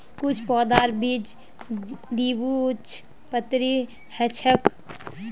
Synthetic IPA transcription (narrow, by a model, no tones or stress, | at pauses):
kʊt͡ʃʰpɔːd̪aːɾbid͡ʒ | d̪iːbut͡ʃʰ | pət̪ɾi | hɛt͡ʃʰək